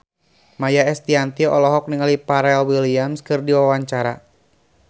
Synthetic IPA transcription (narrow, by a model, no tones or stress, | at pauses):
majaɛst̪iant̪iɔʔɔlɔɦɔk̚niŋalipaɾɛlwiliamskɨrdiwawaɲt͡ʃaɾa